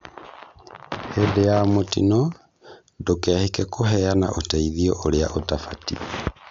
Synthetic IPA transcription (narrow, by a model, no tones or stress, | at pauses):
hendejamotḭnɔ | dokɛhekɛkʰoɦɛana̰ʔotɛiðiɔʔoɾea̰ʔotafatḭ